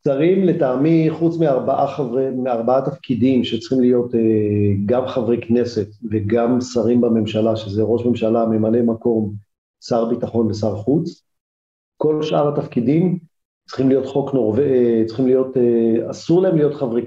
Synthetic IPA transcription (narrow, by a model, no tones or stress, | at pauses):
saʁimletaːmiχut͡smiaʁbaʔaχavemeaʁbaat̪afkidimʃet͡sχimlijo̞t̪eɡamχavʁekne̞se̞tveɡamsaʁimbame̞mʃalaʃezeʁoʃme̞mʃalame̞male̞mako̞m | saʁbitaχo̞nlesaʁχut͡s | ko̞lʃʔaʁhat̪afkidim | t͡sχimlijo̞t̪χo̞knoʁvet͡sχimlijo̞teasuʁlaemlijo̞t̪χavʁek